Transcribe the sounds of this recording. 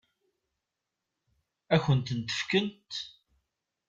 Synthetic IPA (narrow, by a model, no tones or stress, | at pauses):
æçənt̪ənt̪ə̥fkənt̪